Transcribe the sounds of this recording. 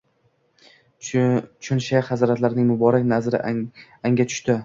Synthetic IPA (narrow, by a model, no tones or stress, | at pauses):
t͡ʃʰʊnʃaχazɾat̪laɾɪnɪŋmʊbɒɾakʲnazɾɪ̰ | aŋɡʲat̪ʰʊ̥ʃt̪ɪ